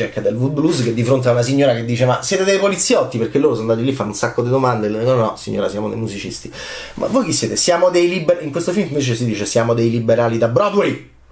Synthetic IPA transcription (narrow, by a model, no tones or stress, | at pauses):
ɛkːad̪elvublusked̪ːifɾont̪̬eaunas̬iɲːoːɾaked̪ːiːt͡ʃemasjɛːt̪ed̪ejpolit̪sːjɔt̪ːipeɾkelːoːɾosɔnd̪aːt̪ilːifanːunsakːod̪id̪omand̪enɔnnːɔsḭɲːo̰ːɾasjaːmod̪ḛjmuzit͡ʃḭst̪i | mʔa̰vːojkisːjeːt̪esjaːmod̪ejlibeɾiŋkwest̪ofilmɱveːt͡ʃesid̪iːt͡ʃesjaːmod̪ejlibeɾaːlid̪abɾɔd̪wɛj